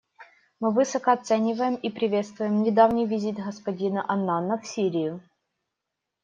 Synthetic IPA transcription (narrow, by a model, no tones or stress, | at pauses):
mɨvɨsəkəɐt̪sɛnʲɪvəjɪmipɾʲɪvʲe̞t̪st̪vʊjɪmnʲɪd̪avnʲɪjvʲɪzʲit̪ɣəspɐdʲinəʔɐnːanːəfsʲiɾʲɪjʊ